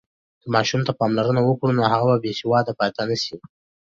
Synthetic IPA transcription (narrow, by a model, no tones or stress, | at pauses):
d̪əmɑʃumt̪apɑmlaɾənawəkɽunohaɣababesɪwɑd̪apɑjt̪anaʃi